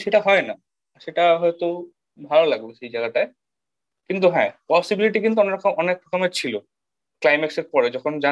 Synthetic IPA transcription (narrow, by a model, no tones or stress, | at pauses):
ʃeʈaɦɔena | ʃeʈaɦɔet̪o | bʱalolaɡboʃejd͡ʑaɡaʈae | kint̪̬uɦɛ̰̃pɔsibiliʈikint̪uɔneɾakʰamʔɔnek̚ɾɔkomet͡ɕʰilo | klajmekseɾpɔɾed͡ʑɔkʰond͡ʑa